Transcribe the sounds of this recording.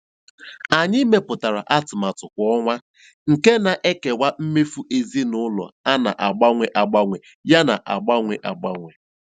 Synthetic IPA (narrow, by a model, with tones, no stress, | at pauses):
a˨ɲɪ˦me˨pʊ˨ta˨ɾa̰˨ʔa˦tʊ˨ma˨tʊ˨kʷɔ˦ŋʷa˦ | ŋ̩˨ke˦na˨ʔe˦ke˨wa˦m̩˦me˦fu˦ʔe˨zi˦nʊ˦lɔ̰˨a˦na̰˨ʔa˨ɡ͡ba˦ŋʷe˨ʔa˨ɡ͡ba˦ŋʷe˨ | ja˦na̰˨ʔa̰˨ɡ͡ba˦ŋʷe˨ʔa˨ɡ͡ba˦ŋʷe˨